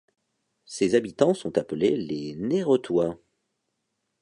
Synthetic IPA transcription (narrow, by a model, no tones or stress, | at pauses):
sezabit̪ɑ̃sɔ̃t̪apəleleneʁət̪wa